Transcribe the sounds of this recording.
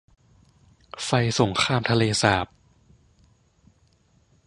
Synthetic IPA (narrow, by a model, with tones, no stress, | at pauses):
fa˧jso˩˦ŋkʰaː˧mt̪ʰa˧leː˧saː˨˩p̚